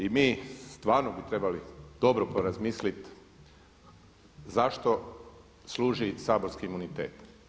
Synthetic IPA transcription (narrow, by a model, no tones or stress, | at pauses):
imiːst̪ʋaːɾnobut̪ɾe̞balid̪o̞bɾopoɾazmiːslit̪ | zaʃt̪o̞ | sluːʒisaːbo̞ɾskiːmunit̪ḛːt̪